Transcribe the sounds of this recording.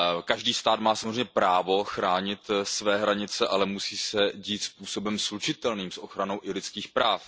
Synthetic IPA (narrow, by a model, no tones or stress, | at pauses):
kaʒdiːst̪aːt̪maːsamozreɛɲɛpɾaːvo̞xɾaːɲɪt̪svɛːɦɾaɲɪt͡sɛʔalɛmusiːsɛɟiːt̪spuːso̞bɛmslut͡ʃɪt̪ɛlniːmsʔoxɾano̞wʔɪlɪt͡skiːxpɾaːf